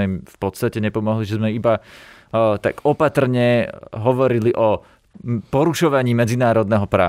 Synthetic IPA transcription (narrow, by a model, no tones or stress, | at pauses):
ɛimfpɔt̪st̪acɛɲɛpɔmɔɦliʒɛzmɛiba | t̪a̰ɡɔpat̪r̩ɲɛɦɔʋɔɾiliʔɔ | pɔɾuʃɔʋaɲiːmɛd͡zinaːɾɔd̪̚nɛɦɔpɾa̰ː